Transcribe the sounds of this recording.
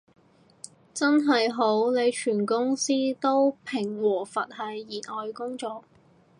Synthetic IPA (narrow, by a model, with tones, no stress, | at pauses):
t͡sɐ˥nɦɐ˨jɦo˨˥wne˨˧jt͡ʃʰyː˨˩nkʊ˥ŋsiː˥t̪o˥wpʰɪ˨˩ŋwɔː˨˩fɐ˨t̚hɐ˨jːiː˨˩nɔː˨jkʊ˥ŋt͡sɔː˨k̚